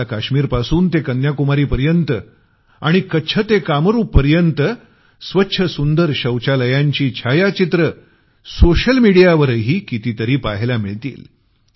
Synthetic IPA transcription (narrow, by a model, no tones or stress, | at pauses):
akaɕmiːɾpasuːnt̪ekənjakumaɾiːpəɾjənt̪ə | aɽ̃ikəːt͡ɕʰət̪ekaməɾuːpːəɾjənt̪ə | sʋətːɕʰəsund̪əɾɕəwt͡ɕaləjaɲt͡ɕiːt͡ɕʰajat͡ɕit̪ɾə | soɕəlmiɽijaʋəɾɦiːkit̪it̪əɾiːpaɦelamiɭt̪ḭːl